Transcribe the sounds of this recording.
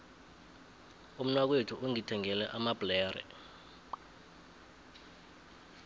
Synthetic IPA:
um̩nwak̬wetʰuʔoŋitʰɛŋɛlɛ̰ʔamab̥lɛːrɛ̰

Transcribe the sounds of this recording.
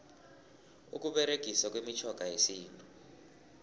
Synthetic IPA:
ṵk̬uɓɛɾeɡ̥ʱisak̬wemit͡ʃʰɔɡ̥ʱajesiːntʼu

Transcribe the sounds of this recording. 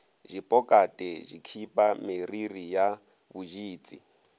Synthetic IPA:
ʒipʼɔkʼatʼɛʒikʰipʼameririja | βuʒiːt͡sʼi

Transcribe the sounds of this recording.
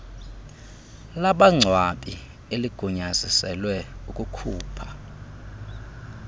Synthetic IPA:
laɓaŋ͡ǀʱwaɓʼi | eliɡ̥ʱuɲazisɛlwɛukʼukʰuːpʰḁ

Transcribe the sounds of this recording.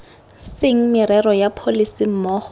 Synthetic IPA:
sɪŋ̩mɪɾɛrɔjapʰolisim̩mɔːχɔ̥

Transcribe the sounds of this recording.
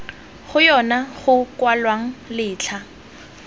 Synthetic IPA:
χʊjɔnaχʊkwalwaŋ̩lɪːt͡ɬʰa

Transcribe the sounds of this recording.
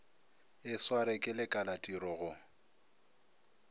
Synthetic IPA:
ɪswaɾɪkʼɪlɪkʼalatʼiɾɔɣʊ

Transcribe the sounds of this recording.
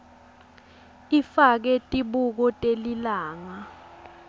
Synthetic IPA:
ifak̬ɛtʼiɓuk̬ɔtʼelilaːŋa

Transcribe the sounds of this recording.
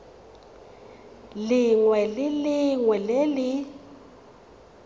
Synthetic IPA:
liŋwɛliliŋwɛleli

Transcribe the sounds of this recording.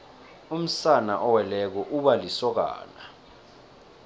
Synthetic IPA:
um̩sana̰ʔɔwɛlɛk̬ɔʔuɓalisɔk̬a̰ːna

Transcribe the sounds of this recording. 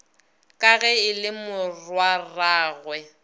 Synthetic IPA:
kʼaɣɛɪlɪmʊrwaraːɣwɛ

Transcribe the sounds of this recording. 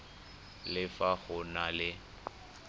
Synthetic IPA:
lɪfaɣʊnalɪ

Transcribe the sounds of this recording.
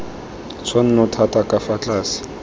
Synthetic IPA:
t͡sʰwan̩nʊtʰatʼakʼafat͡ɬʼaːsɪ̥

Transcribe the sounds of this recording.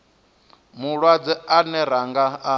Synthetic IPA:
muɺwad͡zɛanɛɾaŋɡaa

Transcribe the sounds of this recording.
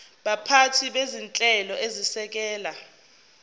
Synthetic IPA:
ɓapʰatʰiɓezint͡ɬʼɛlɔʔezisɛk̬ɛːla

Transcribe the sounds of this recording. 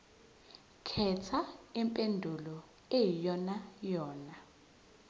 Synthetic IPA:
kʰɛt͡sʰaɛmpʼendʱulɔ | ejijɔnajɔːna

